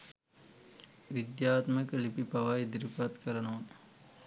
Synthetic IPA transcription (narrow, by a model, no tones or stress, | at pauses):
ʋid̪jaːt̪mɐkəlipipɐʋajd̪ɾipɐt̪kɐɾɐnon